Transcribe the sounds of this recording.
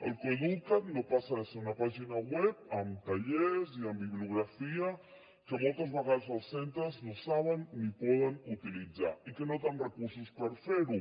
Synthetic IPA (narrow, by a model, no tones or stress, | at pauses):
a̰lkeðut̪at̪nopasaðeseunapaʒinawep̚amt̪aʎeɾsiambiβluɣɾafia | kemolt̪azβaɣaɾzalsent̪aznosaβanːipoðanut̪ilid͡za̰ikenot̪anrekuɾsuspaɾfeɾu